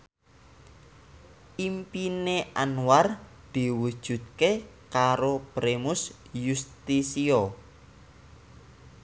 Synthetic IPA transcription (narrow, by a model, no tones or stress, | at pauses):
ʔimpineʔanwar | d̪̥i̤wud̥ʒ̥ṳt̪̚kekaɾopɾemʊs | just̪isiɔ